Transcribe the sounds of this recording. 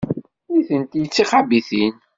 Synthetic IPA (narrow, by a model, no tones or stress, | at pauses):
iθənt̪jət͡sːiχabiθin